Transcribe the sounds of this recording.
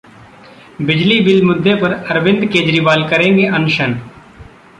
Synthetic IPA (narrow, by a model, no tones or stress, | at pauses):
bɪd͡ʒlibɪlmʊd̪ʱːepɐɾɐɾʋɪ̃nd̪keːd͡ʒɾiːbaːlkɐɾẽːŋɡeʔɐnʊʃən